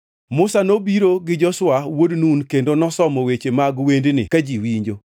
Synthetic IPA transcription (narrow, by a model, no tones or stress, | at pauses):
mʊsanobiɾoɡɪd͡ʒɔswawodnunkendonɔsɔmɔwet͡ʃemaɡwendnɪ̰kad͡ʒiwiɲd͡ʒo